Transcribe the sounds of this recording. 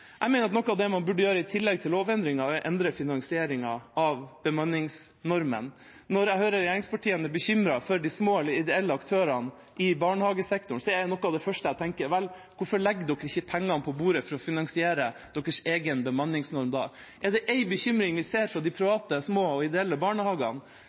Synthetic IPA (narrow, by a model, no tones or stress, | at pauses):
ʔæɪmɛɪnəɾɑt̪nɔkːɑʋd̪ɛmɑnbʉɖːəjøːɾəɪt̪ʰɪlːɛɡ̚t̪ʰɪlːoːʋɛnd̪ɾɪŋɑɔʔɛnd̪ɾəfɪnɑnsɪeːɾɪŋɑɑʋbəmɑnːɪŋs | nɔɾmə̰n | nːɔɾæɪhøːɾəɾjæːɾɪŋspʰɑʈʰiːənɛbəçʏmɾɑfɔɾɖɪsmoːɛləɪd̪ɛɛlːəɑkt̪ʰøːɾɑn | ʔɪbɑːɳəhɑːɡəsɛkt̪ʊɳsɔɛnɔkːɑd̪ɛfœʂʈəæt̪ʰɛŋkəɾʋɛl | kʊɾfɔɭɛɡːd̪ɔkːəɾɪçːəpʰɛŋːɑnpʰɔbuːɾəfɔɾɔfɪnɑnsɪeːɾəd̪̥ɔkːəʂeːɡənbəmɑnːɪŋsnɔɾmd̪ɑ̰ː | ʔɛɖ̪ɛʔɛɪbəçʏmɾɪŋʋɪseːɾfɾɑd̪ɪpʰɾɪʋɑːt̪əsmoːɔɪd̪ɛɛlːəbɑːɳəhɑːɡɑ̰n